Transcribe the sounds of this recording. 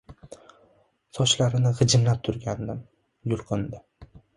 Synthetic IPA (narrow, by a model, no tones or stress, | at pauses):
sɒʃlaɾɪnɪʁɨd͡ʒɪmlap̚t̪ʰʊɾɡʲand̪ɪm | jʊlˠqʰɨnd̪ɪ